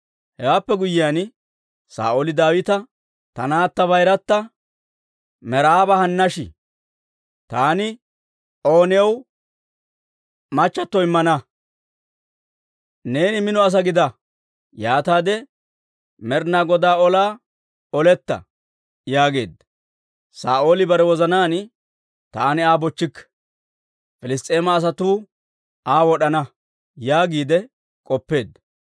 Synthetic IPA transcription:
hɛwaːpːɛɡʊjɪjaːn | sa̰ːʔɔlɪd̪aːwɪt̪ɐ | t̪ɐnaːt̪ːɐβɐjɾɐt̪ːɐ | mɛɾaːbɐhɐnːɐʃɪ̰ | t̪aːnɪ | o̞ːnɪɐw | mɐt͡ʃːɐt̪ːɔɪmːɐnɐ | ne̞ːnɪmɪnɔɐs̬ɐɡɪd̪ɐ | jaːt̪aːd̪ɛ | mɛɾnaːɡɔd̪aːɔlaː | ɔlɛt̪ːɐ̰ | jaːɡe̞̰ːd̪ːɐ | sa̰ːʔo̞ːlɪbɐɾɛwɔzɐnaːn | t̪aːnɪaːbɔt͡ʃːɪkː | fɪlɪst̪ʼe̞ːmɐːs̬ɐt̪uː | aːwɔɗɐnɐ | jaːɡiːd̪ɛ | kʼɔpːe̞ːd̪ːɐ

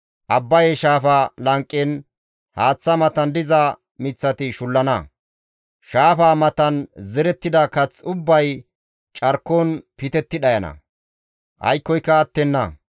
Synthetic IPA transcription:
ʔɐbːɐjɛʃaːfalɐŋkʼːɪn | haːt͡sːɐmɐt̪ɐnd̪ɪzɐ | mɪt͡sːɐt̪ɪʃʊlːɐnɐ | ʃaːfaːmɐt̪ɐnzɛɾɛt̪ːɪd̪ɐkɐt͡sʊbːɐj | t͡ʃʼɐɾkːoːnpɪt̪ɛt̪ːɪɗɐjɐnɐ̰ | ʔɐ̰jkːɔjkːɐːt̪ːɛnːɐ

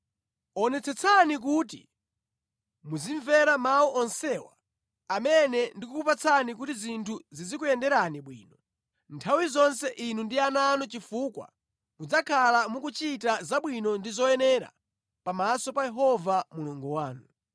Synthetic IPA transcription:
ɔnɛt͡sʰɛt͡sʰanik̬utḭ | muziɱvɛɾamawuʔɔnsɛːwa̰ | amɛnɛndikukupat͡sʰanik̬utizintʰuzizikujɛndɛɾaniɓwḭːnɔ | ntʰawizɔnsɛʔinundiananɔt͡ʃifuːkwa̰ | mud͡zakʰalamukut͡ʃitazaɓwinɔndizɔjɛnɛɾa̰ | pamasɔpajɛɦɔvamuluŋɡɔwaːnu

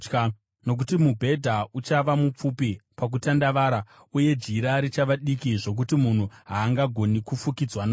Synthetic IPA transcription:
no̞k̬utimubʱe̞dʱaut͡ʃaʋamup͡fupipak̬utandaʋaːɾa | uje̞d͡ʒiɾaɾit͡ʃaʋaɗikiʐo̞k̬utimun̤uɦaːŋɡaɡʱo̞nikufukid͡zwanaː

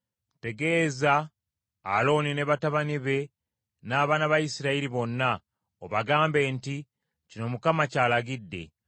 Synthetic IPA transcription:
te̞ɡe̞ːzaː | lo̞ːnine̞ːβataβaniβe̞ | naːβaːnaβajisiɾaiɾiβo̞nːa | oβaɡaːmbe̞ːnti | cino̞mukamacaːlaɡidːe̞̰

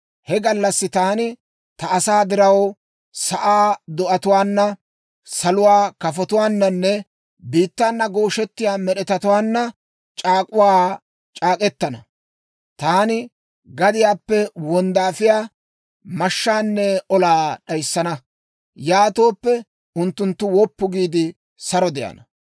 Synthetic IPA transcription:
hɛɡɐlːɐsːɪt̪aːnɪ | t̪ɐːsaːd̪ɪɾɐw | sɐʔaːd̪ɔʔɐt̪ʊwaːnːɐ | sɐlʊwaːkɐfɔt̪ʊwaːnːɐnːɛ | biːt̪ːaːnːɐɡoːʃɛt̪ːɪjaːmɛɗɛt̪ɐt̪ʊwaːnːɐ | t͡ʃʼaːkʼʊwaː | t͡ʃʼaːkʼɛt̪ːɐnɐ | t̪aːnɪ | ɡɐd̪ɪjaːpːɛwɔnd̪aːfɪjaː | mɐʃːaːnːɛɔlaːɗɐjsːɐnɐ | jaːt̪o̞ːpːɛ | ʊnt̪ːʊnt̪ːʊwɔpːʊɡiːd̪ɪ | sɐɾɔd̪ɪjɐ̰nɐ

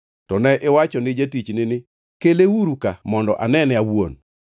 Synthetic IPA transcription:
tɔnɛʔɪwat͡ʃɔnɪd͡ʒetit͡ʃnɪnɪ | kelewuɾukamɔndɔʔanɛnɛawo̰n

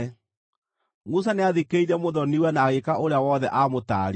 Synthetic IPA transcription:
ŋus̬aneaðikeiɾɛmoðɔniwɛnaɣekaʔoɾeawɔðɛ̰ʔamota̰ɾ

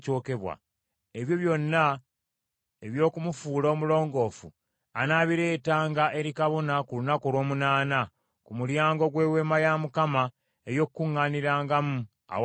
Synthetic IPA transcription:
co̞ːke̞βwa̰ | eβjo̞βjo̞nːa | eβjo̞ːkumufuːlo̞ːmulo̞ːŋɡo̞ːfu | anaβiɾe̞ːtaːŋɡaʔe̞ɾikaβo̞nakulunakoɾwo̞ːmunaːna | kumuljaːŋɡo̞ɡwe̞ːwe̞ːmajamukama | ejo̞kːuŋːaːniɾaːŋɡamu | a̰w

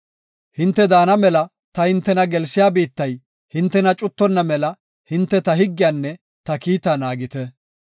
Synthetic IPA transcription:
hɪnt̪ːɛd̪aːnɐmɛlɐ | t̪ɐhɪnt̪ːɛnɐɡɛlsɪjaːbiːt̪ːɐj | hɪnt̪ːɛnɐt͡ʃʼʊt̪ːɔnːɐmɛlɐ | hɪnt̪ːɛt̪ɐɦɪɡːɪjaːnːɛ | t̪ɐkiːt̪anaːɡɪt̪ɛ

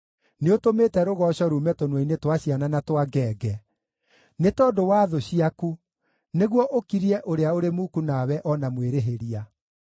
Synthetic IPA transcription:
neotomeːtɛɾoɣɔɕɔɾumɛtonwɛinetwaɕiananatwaɡɛːɡɛ | netɔːdowaːðoɕiaku | neɣwɔʔokiɾiɛʔoɾeaoɾemukunawɛʔɔnamweɾeɦeɾia

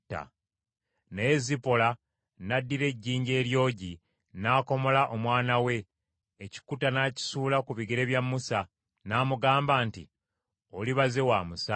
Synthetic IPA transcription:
a̰ | nezipo̞la | nadːiɾe̞ɟːiːɲɟe̞ːɾjo̞ːɟi | naːko̞mo̞laʔo̞mwaːnawe̞ː | ci̥kutanaːci̥suːlakuβiɡe̞ɾe̞βjamːusa | naːmuɡaːmbaːntḭ | oliβaze̞waːmusa

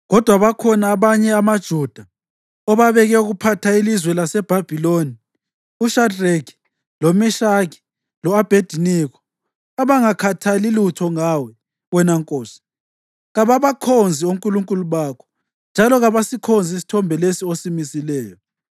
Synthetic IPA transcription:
ɣɔd̥ʱwaβakʰɔnaːβaɲɛamad̥ʒ̥ʱɔd̥ʱa | ɔβaβɛɣɛuɣupʰatʰailizwɛlasɛb̥ʱab̥ʱiloni | uʃadreɡi̥ | lɔmɛʃaki̥ | lɔab̥ʱed̥ʱiniɣɔ̥ | aβaŋakʰatʰalilutʰɔŋawɛ | ɣwɛnaŋkʼoːsi̥ | ɣaβaβakʰond͡zʱioŋkʼuluŋkʼuluβaːkʰɔ̥ | nd͡ʒʱalɔɣaβasikʰond͡zʱiisi̥tʰɔmbʱɛlesiosimisilɛːjɔ

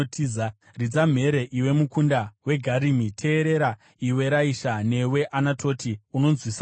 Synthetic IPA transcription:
tʰiːza | rid͡zam̤e̞ɾe̞ʔiwe̞mukundawe̞ɡʱaɾimitʰe̞ːɾe̞ɾa | iwe̞ɾaiʃane̞we̞ʔanatʰo̞tiuno̞nzwisa

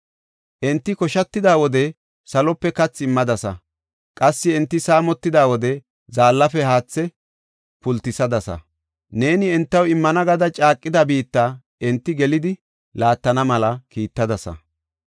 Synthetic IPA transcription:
ʔɛnt̪ːɪkɔʃɐt̪ːɪd̪aːwɔd̪ɛ | sɐlɔpːɛkɐt͡sːɪmːɐd̪ɐsɐ̰ | kʼɐsːɪɛnt̪ːɪsaːmɔt̪ːɪd̪aːwɔd̪ɛ | zaːlːɐfɛhaːt͡sːɛ | pʊlt̪ːɪsɐd̪ɐsɐ̰ | ne̞ːnɪɛnt̪ːɐwɪmːɐnɐɡɐd̪ɐt͡ʃʼaːkʼːɪd̪ɐbiːt̪ːa | ɛnt̪ːɪɡɛlɪd̪ɪ | laːt̪ːɐnɐmɐlɐkiːt̪ːɐd̪ɐsɐ̰

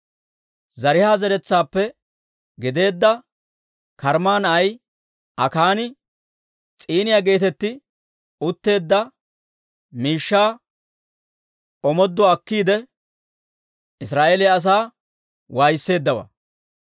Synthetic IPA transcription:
zɐɾɪhaːzɛɾɛt͡sːaːpːɛ | ɡɪd̪e̞ːd̪ːɐ | kɐɾmaːnɐɐj | ʔɐkaːnɪ | t͡sʼiːnɪjaːɡe̞ːt̪ɛt̪ːɪ | ʊt̪ːe̞ːd̪ːɐ | miːʃːaː | ɔmɔd̪ːɔɐkːiːd̪ɛ | ʔɪsɾaːʔelɪjɐs̬aː | wʔaːjɪsːe̞ːd̪ːɐwɐ̰

